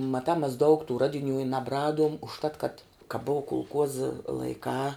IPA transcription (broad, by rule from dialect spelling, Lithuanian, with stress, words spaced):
mɐˈtɑː mʲɛs dɐʊk tuː ˈrɑːdʲɪˌnʲuː ɪ nɐbˈrɑːduɔm ʊʃˈtɐt kɐt kɐ boːʋɐ kʊlˠˈkuɔzɐ lˠɐɪˈkɑː